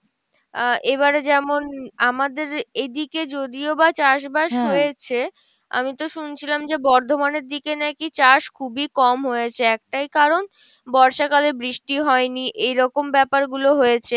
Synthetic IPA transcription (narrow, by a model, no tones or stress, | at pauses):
ʔeβaɾd͡ʑɛmonamad̪eɾed̪iked͡ʑod̪iobat͡ɕaʃ̬baʃɦojet͡ɕʰe | a̰mit̪oʃunt͡ɕʰilamd͡ʑebɔɾd̪ʱomaneɾd̪ikenakit͡ɕaʃkʰubikɔmɦojet͡ɕʰeɛk̚ʈajkaɾon | bɔɾʃakalebɾiʃʈiɦɔeniʔejɾɔkombɛpaɾɡuloɦojet͡ɕʰe